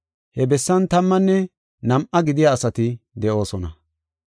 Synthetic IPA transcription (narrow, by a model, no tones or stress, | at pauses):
hɛbɛsːɐnt̪ɐmːɐnːɛ | nɐmʔɐɡɪd̪ɪjaːsɐt̪ɪd̪ɛʔo̞ːsɔnɐ